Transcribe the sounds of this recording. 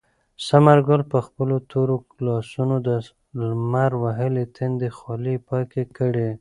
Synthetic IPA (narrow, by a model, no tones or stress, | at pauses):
samaɾɡʊlpəxpəlot̪ʰoɾo | lɑsunod̪ə | lmaɾwaɦəlet̪ʰend̪əxɑlipɑjkekəɽe